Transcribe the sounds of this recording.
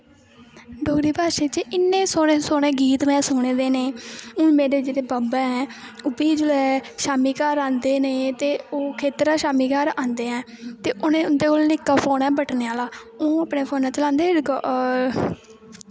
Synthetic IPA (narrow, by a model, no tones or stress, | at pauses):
ɖoːkɾiːbaːʃeːt͡ʃɪnːẽːsoːneːsoːnẽːɡiːt̪mɛ̃ːsʊːɳeːd̪eːneːʊ̃ːmeːɾeːd͡ʒeːɽeːbaːbɛːɦɛ̃ː | ʊbiːd͡ʒəlɛːʃaːmiːkaːɾãːnd̪eːneːt̪eːoːkʰeːt̪ɾaːʃaːmiːkaːɾãːnd̪eːɛ̃ː | t̪eːʔʊnẽːʊnd̪eːkoːlnɪkːaːpʰoːnɛːbəʈʰneːaːlaːõːəpneːpʰoːnɛ̃ːt͡ʃəlãːnd̪eːɡ